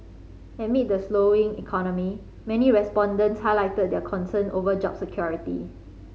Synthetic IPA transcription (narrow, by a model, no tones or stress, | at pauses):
ɛ̃tmit̚dəsloĩŋḭkʰɔnɔmi | mɛniɹɛspɔ̃ndə̃ntshajlaɪtəd̚dɛkʰɔ̃nsə̃nʔovəd͡ʒɔ̰bsəkʰjɔɹitḭ